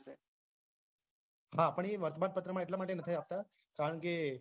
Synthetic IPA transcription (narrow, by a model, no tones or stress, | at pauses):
se | hapəɳiʋəɾt̪ʰəbad̪̚pət̪ɾəmaeʈ̬ljamaʈenət̪ʰajap̚t̪a | kaɾəɳke